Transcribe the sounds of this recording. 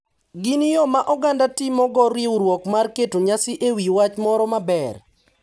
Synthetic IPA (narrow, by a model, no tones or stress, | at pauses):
ɡinjomaʔɔɡandatimɔɡɔɾiuɾwɔkmarketoɲasɪʔewiwat͡ʃmɔɾɔmabɛr